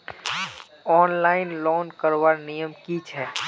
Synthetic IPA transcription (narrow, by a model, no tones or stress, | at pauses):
ɔːnlaːɪnlɔːnkəɾʋaɾnijəmkit͡ʃʰɛː